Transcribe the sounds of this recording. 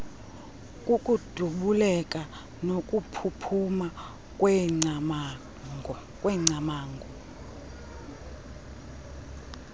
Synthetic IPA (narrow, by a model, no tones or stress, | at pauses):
kʼukʼud̥ʱuɓulɛkʼa | nokʼupʰupʰuma | kʼwɛ | kʼwɛŋ͡ǀamaːŋɡʱɔ